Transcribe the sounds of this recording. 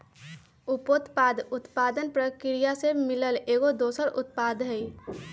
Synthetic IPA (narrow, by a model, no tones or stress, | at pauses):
ʊpot̪paːd̪ʊt̪pad̪ənpɾəkɪɾijasemɪləleːɡod̪oːsəɾʊ̰t̪̚pad̪ʱɦɛi